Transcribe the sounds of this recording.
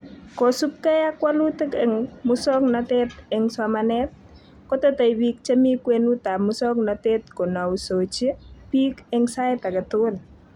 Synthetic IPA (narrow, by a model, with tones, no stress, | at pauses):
kɔ˨su˦p̚kɛ˦ja˦kwa˦lu˦tɪ˦kɛŋmʊsɔ˦knatɛ˦t̪ɛŋswamanɛ˦t̪̚ | kɔ˦teta˨i˨bi˨k̚t͡ʃe˦mi˦kwenu˦ta˨mʊsɔ˦knatɛt̪ko˨na˨uso˨t͡ʃe˦pi˦kɛŋsa˦ɪt̪a˨kɪ˨tʊl